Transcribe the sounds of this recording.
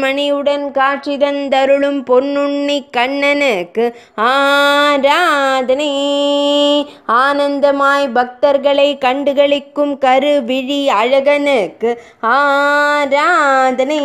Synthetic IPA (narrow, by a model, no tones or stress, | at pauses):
mɐnɪjɯɽɐnkaːʈrɪðɐnt̪ɐɾɯɭɯmpɔnːʊɳːikːɐɳːɐnɯkːɯ | aːɾaːd̪ɐnɐ | aːnɐnd̪ɐmaːjbɐk̚t̪ɐɾɣɐɭɐɪkɐɳɖɯɣɐɭɪkːɯmkɐɾɯʋɪɻiɐɻɐɣɐnɯkːɯ | aːɾaːd̪ɐnɐ